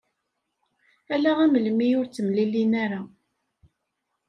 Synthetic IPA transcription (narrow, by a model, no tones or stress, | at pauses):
ælæʁæməlmijʊɾt͡sːəmlilinæɾa